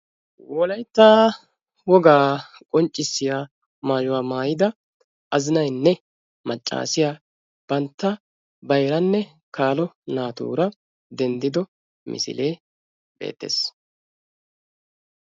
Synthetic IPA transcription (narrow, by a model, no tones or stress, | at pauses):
wɔlɐjt̪ːaː | wɔɡaː | kʼɔnt͡ʃʼːɪsːɪjaː | maːjʊwaːmaːjɪd̪ɐ | ʔɐzɪnɐjnːɛ | mɐt͡ʃʼːa̰ːsɪjaː | b̥ɐnt̪ːɐ | bɐjɾɐnːɛ | kaːlɔnaːt̪ṵːɾɐ | d̪ɛnd̪ɪd̪ɔ | mɪ̰sɪ̰leː | b̥e̞̰ːt̪ːḛːs